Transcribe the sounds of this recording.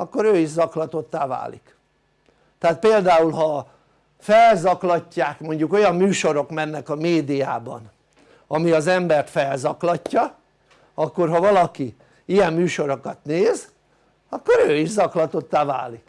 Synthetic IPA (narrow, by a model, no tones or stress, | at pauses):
ɒkːo̞ɾøːiʒzɒklɒt̪o̞t̪ːaːva̰ːlḭk | t̪ɛaːt̪̚peːld̪aːulɦɒ | fɛlzɒklɒcːaːkmo̞ɲɟuko̞jɒmːyːʃo̞ɾo̞kmɛnːɛkɒmeːd̪ijaːbɒ̰n | ɒmiɒzɛmbɛrt̪fɛlzɒklɒcːɒ | ɒkːo̞rɦɒvɒlɒki | ijɛmmyːʃo̞ɾo̞kɒt̪neːz | ɒkːo̞ɾøːiʒzɒklɒt̪o̞t̪ːaːva̰ːlik